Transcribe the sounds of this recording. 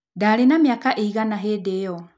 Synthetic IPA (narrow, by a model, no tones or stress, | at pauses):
daːɾenamiakaʔeiɣanaɦedejɔ